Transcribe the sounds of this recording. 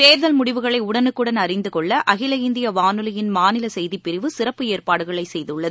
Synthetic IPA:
t̪eːɾðɐlmʊɽɪʋɯɣɐɭɐɪʊɽɐnɯkːɯɽɐnɐrɪnd̪ɯkɔɭːɐʔɐɣɪlɐɪnd̪ɪjɐʋaːnɯlɐjɪnmaːnɪlɐsɛjðipːɪɾɪʋɯsɪrɐpːɯeːrpaːɽɯɣɐɭɐɪsɛjðɯɭːɐ

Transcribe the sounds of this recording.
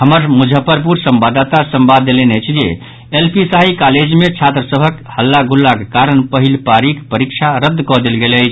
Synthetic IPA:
ɦəməɾmud͡ʒʱəpəɾpuɾsəmbad̪t̪asəmbad̪ːelenəjt͡ʃʰd͡ʒḛ | elpisaikaled͡ʒmet͡ʃʰat̪ɾəsəbʱəkhəlːaɡulːakekaɾənpəɦilpaɾikpəɾikt͡ʃʰaɾəd̪ːkɔd̪elɡeləjt͡ʃʰ

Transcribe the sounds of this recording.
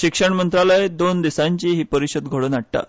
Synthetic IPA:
ɕikʂəɳmənt̪ɾaləed̪ond̪isaɲt͡ɕiːɦiːpəɾiɕəd̪ɡʱoɽənaɽʈa̰

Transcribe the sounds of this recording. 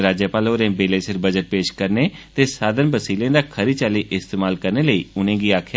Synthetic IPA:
ɾaːd͡ʒəpaːloːɾẽːbeːleːsɪɾbəd͡ʒəʈ̪̚peːʃkəɾneːt̪eːsaːd̪ənbəsiːlẽːd̪aːkʰəɾiːt͡ʃaːliːʔɪst̪eːmaːlkəɾneːləiːʊnẽːɡiːaːkʰ

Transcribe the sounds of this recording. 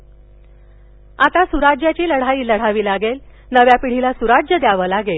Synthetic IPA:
at̪asuɾad͡ʑjat͡ɕiːləɽ̤aiːləɽ̤aʋiːlaɡel | nəʋjapiɽ̤ilasuɾad͡ʑjəd̪jaʋəlaɡel

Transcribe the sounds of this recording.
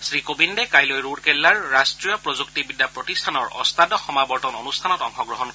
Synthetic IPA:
sɹikobindekajlojɹuɹkelːaɹːastɹijɔpɹozuktibidʱːapɹɔtistʰanɔɹɔ̰st̪adɔxɔmabɔɹtɔnonustʰanɔtɔŋxɔɡɹɔɦɔnk

